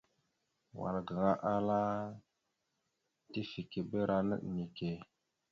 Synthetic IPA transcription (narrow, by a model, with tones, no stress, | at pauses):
wa̰˨lɡa˨ŋa˦ʔa˦la˦ | ti˦fi˨ke˨bə˦ɾa˨nə̰˦ʔni˨ke˨